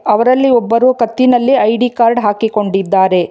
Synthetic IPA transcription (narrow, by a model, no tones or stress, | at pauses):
ɐʋɐɾɐlːiɔbːɐɾuːkɐt̪ːinɐlːiɐjɖikaːɾɖɦaːkiko̞ɳɖid̪ːaːɾe̞